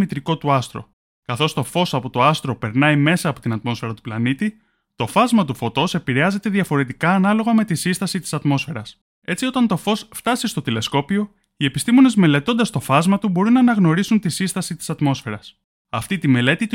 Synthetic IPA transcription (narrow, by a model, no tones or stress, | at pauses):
mit̪ɾiko̞t̪uɐst̪ɾo̞̰ | kɐθo̞st̪o̞fo̞sɐpo̞t̪o̞ɐst̪ɾope̞ɾnɐime̞sɐːpo̞t̪inɐt̪mo̞sfe̞ɾɐt̪u̥plɐnit̪i | t̪o̞fɐzmɐt̪ufo̞t̪o̞se̞piɾe̞ɐze̞t̪e̞ðɐfo̞ɾe̞t̪ikɐːnɐlo̞ɣɐme̞t̪isist̪ɐsit̪i̥sɐt̪mo̞sfe̞ɾɐs | e̞t͡sio̞t̪ɐnt̪o̞fo̞sft̪ɐsist̪o̞t̪ile̞sko̞pio̞ | ie̞pist̪imo̞ne̞zme̞le̞t̪o̞nd̪ɐst̪o̞fɐzmɐt̪ubo̞ɾunɐːnɐɣno̞ɾisunt̪isist̪ɐsit̪i̥sɐt̪mo̞sfe̞ɾɐs | ɐft̪it̪ime̞le̞t̪it̪